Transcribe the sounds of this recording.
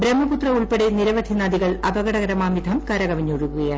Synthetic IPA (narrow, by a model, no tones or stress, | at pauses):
bɾemːɐput̪rɐuɭpeɽeniɾɐʋɐd̪ʱinaːd̪iɣɐɭɐbɐɡɐɽɐɣɐɾɐmaːmid̪ʱɐmkɐɾɐɡɐʋɐɲːuːɻuɣuɣɐjaː